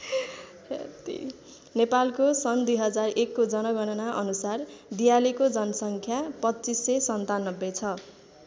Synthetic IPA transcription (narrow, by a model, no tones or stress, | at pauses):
ḛt̪ḭ | nepalkosʌnd̪ujɦʌd͡zarekːod͡zʌnʌɡʌnʌnaʔʌnusard̪ijalikod͡zʌnʌsʌŋkʰjapʌtːt͡sisːʌsʌnt̪anʌbːet͡sʰʌ